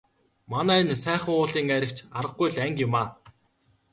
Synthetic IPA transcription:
manæːnsæːχə̆ŋʊːɮiːŋæɾʲɪ̆kt͡ɕaɾə̆ɡ̚ɡujɮæŋkjʊmaː

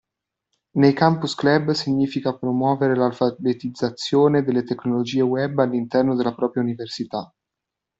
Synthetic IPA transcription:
nejkampusklɛbsiɲːiːfikapɾomwɔːveɾelalfabet̪id̪zːat̪sːjoːned̪elːet̪ekːnolod͡ʒiːewɛbːalːint̪ɛrnod̪elːapɾɔːpɾjauniversit̪a

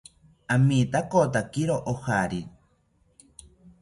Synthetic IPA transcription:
amit̪akot̪akiɾoʔohaɾi

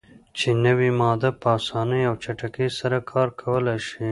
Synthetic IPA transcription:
t͡ʃenəwimɑd̪apəɑːsɑːnəjawt͡ʃaʈakesaɾakʰɑːɾkʰɐwəlaʃi

